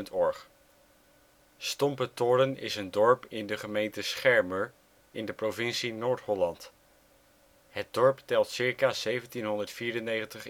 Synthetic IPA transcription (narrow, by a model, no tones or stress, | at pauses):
ntɔɹχ | stɔmpətʊɾənɪ̰səndɔɹpɪndəχəmejntəsχɛɹməɹ | ɪndəprovɪnsinoːɹtɦɔlɑnt | hət̚dɔɹptɛlˠtsɪɹkaːz̥ejvəntinɦɔndəɹtfiːɾənejχəntəχ